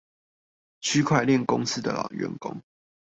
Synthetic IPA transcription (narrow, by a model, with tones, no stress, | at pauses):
t͡ɕʰy˥kʰwa˥˧ɪljɛ˥˨nkʊ˦ŋs̩˥˦d̪ə̰˨lɑ̰˨˩ŋɥɛ̰˧˦˥nkʊ̰˦˥ŋ